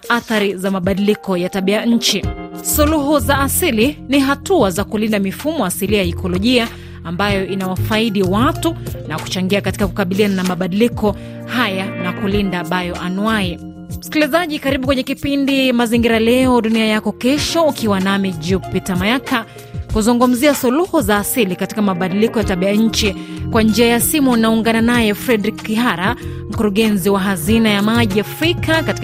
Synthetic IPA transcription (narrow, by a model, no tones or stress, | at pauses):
aθaɾizamaɓaɗilikɔjataɓiaɲ̩t͡ʃisuluɦuzaːsiliniɦatuazakulindamifumɔasiliajaikʰɔlɔʄia | ambajɔʔinawafaiɗiwatunaku̥t͡ʃaŋɡiakati̥kakukaɓiliananamaɓaɗilikɔ | hajanakulindaɓajɔʔanuai | m̩skilizaʄikaɾiɓukwɛɲɛkipindimaziŋɡiɾalɛɔɗuniajakɔkɛʃɔukʰiwanamid͡ʒupitamajaka | kuzuŋɡum̩ziasuluhuzaːsilikati̥kamaɓaɗilikɔjataɓiaɲ̩t͡ʃikwand͡ʒiajasimunauŋɡananajɛfɾɛdɾikːiɦaɾa | m̩kuɾuɠɛnziwaɦazinajamaʄiafɾikakati